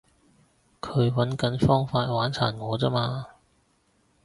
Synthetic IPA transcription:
kʰɵ˨˧ɥwɐ˨˥nkɐ˨˥nfɔː˥ŋfaː˧t̚waː˨˥nt͡sʰa̰ː˨˩nŋɔː˨˧t͡sɐː˥maː˧

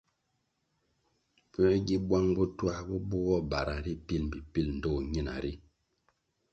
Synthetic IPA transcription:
pɛ˦ɡi˦bwa˦ŋbɔ˦twa˦bɔ˦bɔ˦ɣɔ˦ba˨ɾa˨ɾi˦pi˦˨lm̩˨bi˨pi˦˨ln̩˨dɔ˦˨ɲi˦˨na̰˨ɾi˦

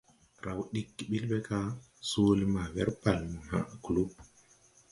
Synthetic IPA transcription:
ɾa˨wɗi˦kːɓi˦lɓe˦ka˦ | so˦lma˨wɛ˦ɾpa˨lna̰˨klu˦b̚

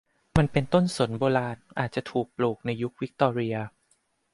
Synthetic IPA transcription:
ma˧npe˧nt̪o˥˩nso˩˦nboː˧ɾaː˧nʔa̰ː˨˩t̪̚t͡ɕa˨˩t̪ʰuː˨˩k̚pluː˨˩k̚na˧ju˦˥k̚wi˦˥k̚t̪ɔː˧ɾi˧ɐ

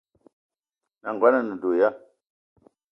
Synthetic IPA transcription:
na˨ŋɡwa˦na˨nə˨do˨ja˦

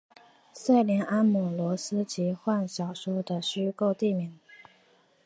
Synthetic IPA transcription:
sa˥˩ɪljɛ˧˥na˥nmu˨˩lwɔ˧˥sɹ̩˥t͡ɕi˧˥xwa˥˩nɕjɑ˨˩ʊʂɔ˥d̪ə˧˨ɕy˥ko˥˧ʊt̪i˥˩mi˨˩˦

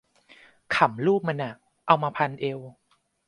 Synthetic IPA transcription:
kʰa˨˩˦mluː˥˩p̚ma˧nʔa˨˩ | ʔa˧wmaː˧pʰa˧nʔe˧w

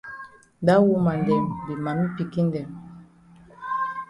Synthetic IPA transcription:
da˦wu˦ma˨ndɛ˨mbi˨ma˨mi˦pi˨ki˦n˦dɛ˨m

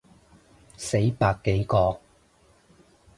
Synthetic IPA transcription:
se˨˥jpaː˧kːe˨˥jkɔː˧

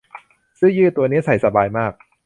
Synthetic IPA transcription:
sɯ˥˩ŋjɯː˥˩t̪u˧ɐni˦˥ɐsa˨˩˦jsa˧baː˧jmaː˥˩k̚

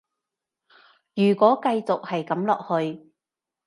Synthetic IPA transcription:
jyː˨˩kʷɔː˨˥kɐ˧jt͡sʊ˨k̚hɐ˨jkɐ˨˧˥mlɔ̰ː˨k̚hɵ˧ɥ

